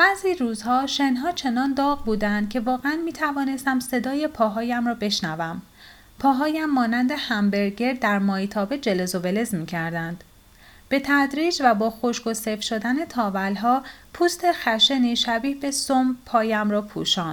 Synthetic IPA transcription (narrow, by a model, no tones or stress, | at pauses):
b̥æziːɾuːzhɒːʃe̞nɦɒːt͡ʃʰe̞nɒːnd̪ɒːɣbuːd̪ænd̪̥̚cʰe̞vɒːɣeænmiːt̪ʰævɒːne̞st̪æmse̞d̪ɒːje̞pʰɒːɦɒːjæmrɒːbe̞ʃnævæm | pʰɒːɦɒːjæmːɒːnænd̪e̞hæmbe̞ɾɟe̞ɾd̪æɾmɒːjit̪ʰɒːbed͡ʒe̞lezovele̞zmiːcʰæɾd̪ænd̪̥ | b̥e̞t̪ʰæd̪ɾiːd͡ʒvæbɒːxo̞ʃɡo̞sefʃo̞d̪æne̞t̪ʰɒːvælɦɒːpʰuːst̪ʰe̞xæʃeniʃæbiːhbe̞sompʰɒːjæmɾɒːpʰṵʃɒːnd̪